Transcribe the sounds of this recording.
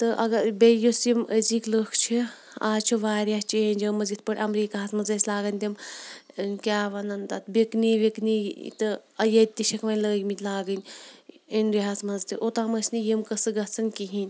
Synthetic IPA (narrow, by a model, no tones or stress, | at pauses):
t̪ɨʔɐ̰ɡɐɾbejosiməzikləkʰt͡ʃʰi | a̰ːt͡ʃʰiʋaːɾjat͡ʃʰieːnʲd͡ʒɐmːɐzɡit̪̚pɐʈʲɐmɾiːkaːsmɐnzɐsʲlaːɡɐnʲt̪ʲim | kʲaːʋɐnɐnt̪at̪bekniːʋeknit̪ɨɐjɐt̪̚ʲt̪ʲːiʃɐkʰʋɐnʲləːɡʲmit̪laːɡɨnʲ | enɾiɦasmɐnzt̪iʔot̪aːmɐsʲnijimkɐsɨɡɐt͡sɐnʲkiɦinʲ